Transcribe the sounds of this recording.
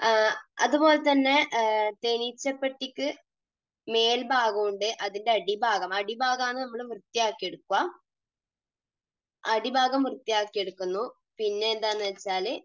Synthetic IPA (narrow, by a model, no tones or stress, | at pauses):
ɐ̰ðubo̞ːlet̪ɐnːe̞t̪eɳit͡ɕːɐpːeʈːikːɨ | me̞ːlbʱaːɣɐmuɳɖɨʔɐðinde̞ɐɽibʱaːɣɐmɐɽibʱaːɣaːnːɨnɐmːɐɭmrɨt̪ːijaːkːijeɽukːuʋɐ | ɐɽibʱaːɣɐmːrɨt̪ːijaːkːijeɽukːunːu | pinːe̞ːnd̪aːnːɐʋɐt͡ɕːaːl